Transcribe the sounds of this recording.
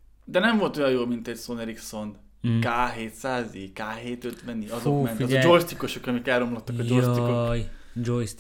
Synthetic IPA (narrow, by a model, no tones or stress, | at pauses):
d̪ɛnɛɱvo̞lt̪o̞jɒjoːlmint̪ɛɟsoneɾikso̞n | kaːɦeːt̪saːzikaːɦeːt̪øt̪ʋɛniɒzomɛnt̪ɒɒd͡ʒojst̪iko̞ʃo̞kɒmikɛlɾːo̞mlot̪ːɒkɒjd͡ʒojst̪ikoj | d͡ʒojs